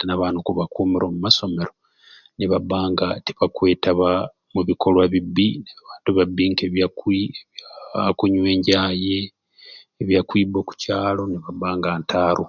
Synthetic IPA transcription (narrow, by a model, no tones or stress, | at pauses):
tnaβaːnukuβakuːmiɾoːmumaso̞me̞ɾo̞ | niβaβaːŋɡati̥βakwe̞ːtaβa | muβikʰo̞lwaβibːinaβaːntuβabiŋkeβjakiakuɲwe̞ːɲɟaːjeː | βjakwiːboku̥caːlo̞niβaβaːŋɡaːntʰaːɾu